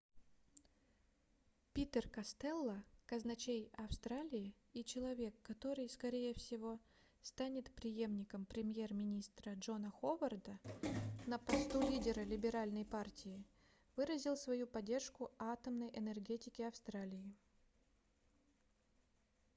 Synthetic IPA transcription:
pʲit̪ərkɐst̪ɛlˠːəkɐznɐt͡ɕejɐfst̪ɾalʲɪɪ | it͡ɕɪlˠɐvʲe̞kːɐt̪o̞ɾɨjskɐɾʲejəfsʲɪvo̞ | st̪anʲɪt̪pɾʲɪje̞mnʲɪkəmpɾʲɪmʲje̞rmʲɪnʲist̪ɾəʐo̞nəxovərd̪ənəpɐst̪ulʲidʲɪɾəlʲɪbʲɪɾalʲnəjpartʲɪɪ | vɨɾəzʲɪlˠsvɐjupɐdʲːe̞rʂkʊat̪əmnəjʔɛnɛrɡʲetʲɪkʲɪɐfst̪ɾalʲɪɪ

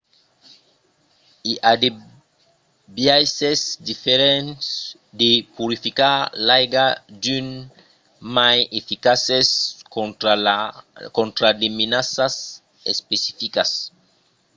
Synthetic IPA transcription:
iʔad̪e | bjajsesd̪ifeɾens | d̪epuɾifikaɾlajɡad̪yn | majefikases | kõnt̪ɾad̪eminasas | espesifikas

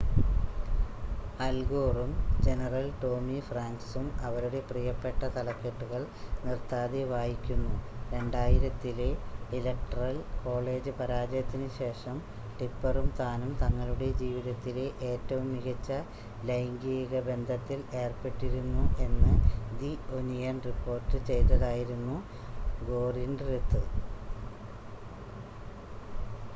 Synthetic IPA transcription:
ɐlɡoːrumd͡ʑe̞nɐrɐlʈo̞ːmifraːŋksumɐʋɐɾuɽe̞prijɐpːe̞ʈːɐt̪ɐlɐpːeʈːuɣɐɭnirt̪aːðiʋaːjikʲːunːuɾe̞ɳɖaːjiɾɐt̪ːileilɐk̚ʈɐrɐlko̞ːɭe̞ːd͡ʑɨpɐɾaːd͡ʑjɐt̪ːinɨɕe̞ːʂɐm | ʈipːɐrumt̪aːnumt̪ɐŋːɐɭuɽe̞d͡ʑiːʋiðɐt̪ːileʔeːtːɐʋumniɣɐt͡ɕːɐ | lɐjŋɡijɣɐbe̞nd̪ʱɐt̪ːile̞ːrpe̞ʈːiɾunːue̞nːɨd̪ionijɐnripːo̞ːrtːɨt͡ɕe̞jt̪ːɐðaːjiɾunːu | ɡo̞ːrinɖret̪ːɨ

